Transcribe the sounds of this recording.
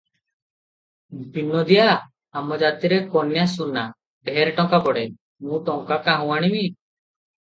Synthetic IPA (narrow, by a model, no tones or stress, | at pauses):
pinɔd̪ijaː | mɔd͡ʒat̪iɾekɔnjasuna | bʱɛɾʈɔŋkakɔɽɛ | mũʈɔŋkakaɦũwaɽ̃imi